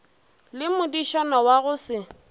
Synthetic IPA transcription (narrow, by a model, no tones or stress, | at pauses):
lɪmʊdiʃɔnawaɣʊsɪ